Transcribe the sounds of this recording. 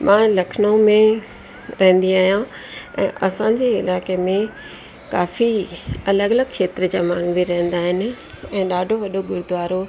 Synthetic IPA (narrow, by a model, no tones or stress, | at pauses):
mʔãːlɐkʰnəõmẽ | ɾɐɦə̃n̆d̪iaːɦijã | ɛ̰̃ːʔɐsãːd͡ʑeːɪ̰laːkemẽ | kaːfiɐləɡɐləɡ̚kʃeːt̪ɾət͡ɕaːmaːŋɡbiɾɐɦə̃n̆d̪aːɦɪnɪ̆ | ɛ̃ːɗaːɖʱoʋɐɗoɡʊɾʊd̪ʋaːɾo